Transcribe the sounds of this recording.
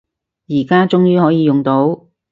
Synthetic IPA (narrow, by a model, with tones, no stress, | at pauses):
jiː˨˩kaː˥t͡sʊ˥ŋjyː˥hɔː˨˥jiː˨˧jʊ˨ŋt̪o˨˥w